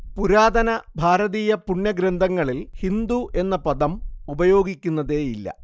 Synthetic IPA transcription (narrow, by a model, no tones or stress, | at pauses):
puɾaːd̪ɐnɐbʱaːɾɐðiːjɐpuɳːɐɡɾɐnd̪ʱɐŋːɐɭilhind̪uʔe̞nːɐpɐd̪ɐmubɐjo̞ːɡikʲːunːɐðe̞ːjilːɐ̰